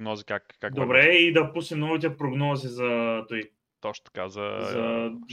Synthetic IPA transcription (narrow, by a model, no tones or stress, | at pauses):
ɡnɔzikakkakd̪obɾɛid̪ɐpusnimnɔvit̪̬ɛpɾoɡnɔzizɐt̪oi | t̪ɔt͡ʃ̪t̪ɐ̥ka̰zɐ̰zɐ